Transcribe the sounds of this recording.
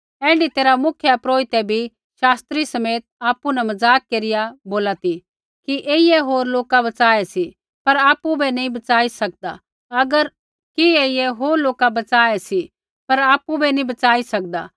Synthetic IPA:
ɛ̃ːɖit̪eːɾamʊkʰjapɾoːit̪ɛbʱi | ʃaːst̪ɾisɐmeːt̪̚aːpunɛmɐzaːkːeːɾɪjaboːlat̪i | kiʔeːijɛɦoːɾloːkabɐt͡saːɛsi | pɐɾaːpubɛnɐĩbɐt͡saːisɐk̚d̪a̰ | ɐɡəɾ | kieːijɛɦoːɾloːkabɐt͡saːɛsi | pɐɾaːpubʱɛnĩbɐt͡saːisɐk̚d̪a̰ː

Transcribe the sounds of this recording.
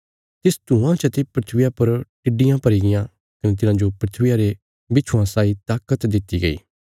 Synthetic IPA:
t̪ɪst̪ũãt͡ʃɐt̪epɾɪt̪ʰʋɪjapɐɾʈɪɖɪjãpɐɾiɡɪjã | kɐnet̪̬ɪnãːd͡ʒopɾɪt̪ʰʋɪjaɾe | bɪt͡ʃʰuwãsaːit̪aːkət̪d̪ɪt̪ːiɡɐḭː

